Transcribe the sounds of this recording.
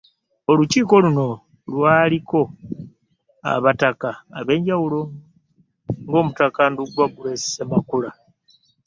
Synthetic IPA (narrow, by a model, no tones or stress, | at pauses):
o̞luciːko̞luno̞ | lwaːliko̞ | a̰βatakaːβe̞ːɲɟawulo̞ | ŋɡo̞ːmutakanduɡwaɡuɾessemakula